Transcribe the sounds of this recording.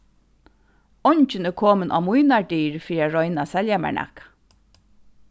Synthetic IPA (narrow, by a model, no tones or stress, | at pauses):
ɔɲt͡ʃɪnɛkʰoːmənʔa̰ːmujnaɖiːɹfiːɾiaɹɔjnasɛljamæ̰ɳʔa̰k